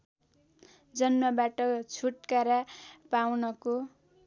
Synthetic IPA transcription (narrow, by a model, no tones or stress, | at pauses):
d͡zʌnmʌbaʈʌkt͡sʰuʈkaɾapawnʌko